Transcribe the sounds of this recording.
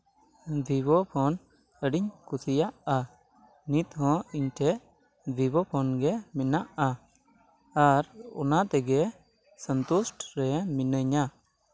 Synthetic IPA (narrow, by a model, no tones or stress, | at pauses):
bʱibɔpʰɔn | əɖiɲkusijaʔa | nit̪ɦɔ̃iɲʈʰɛʔ | b̪ʱibɔpʰɔnɡɛminaʔa | aɾɔ̰nat̪ɛɡɛ | sənt̪usʈɾɛminəɲa